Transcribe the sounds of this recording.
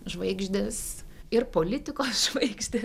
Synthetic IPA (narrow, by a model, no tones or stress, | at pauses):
ʒʋɐɪɡʒʲd̪ʲɪsɪɾpoːlʲɪt̪ʲɪkoːsʒ̥ʋɐɪɡʒʲd̪ʲe